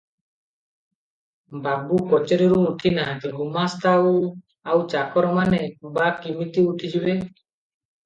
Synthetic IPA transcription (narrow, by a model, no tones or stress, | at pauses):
babukɔt͡ʃɔɾiɾuːʈʰinat̪eɡumast̪ʰa | awt͡ʃakɔɾmanebakimit̪iuʈʰid͡ʒibe